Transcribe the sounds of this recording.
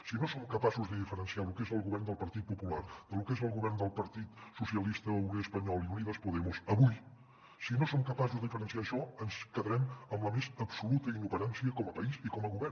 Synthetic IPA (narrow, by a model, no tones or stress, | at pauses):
sinosomkəpasuzd̪əðifəɾənsialukezəlˠɣuβɛɾnd̪əlˠpəɾt̪it̪̚pupulaɾd̪̥əlukezəlˠɣuβɛrnd̪əlˠpəɾt̪it̪susiəlist̪əuneəspəɲɔlˠiuniðəspuðɛmusəβuj | sinosomkəpazuzəðifəɾənsiaəʃɔənskəðəɾɛməmləmezəpsulut̪əinuβəɾansiəkɔməpəizikɔməɣuβɛɾ